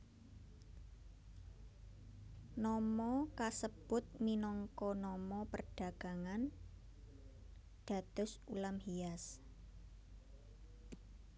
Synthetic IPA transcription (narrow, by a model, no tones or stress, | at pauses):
nɔmɔkasəb̥ʊt̪̚minɔŋkɔnɔmɔpərɖ̥a̤ɡ̥a̤ŋan | ɖ̪̥a̤t̪ʊ̤sulamhias